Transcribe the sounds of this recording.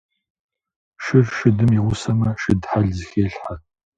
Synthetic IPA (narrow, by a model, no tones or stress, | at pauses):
ʃɪrʃɪdɨmiwʊsɐmɐʃɪdħaɮzxeːɬħa